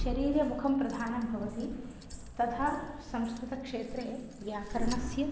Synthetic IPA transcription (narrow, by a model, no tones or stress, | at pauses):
ʃɐɾiːɾjɐmukʰɐmpɾɐd̪ʱaːnɐmbʱɐʋɐt̪i | t̪ɐt̪ʰaːsɐmskɾut̪ɐkʂeːt̪ɾeː | ʋjaːkɐɾɐɳɐsjɐ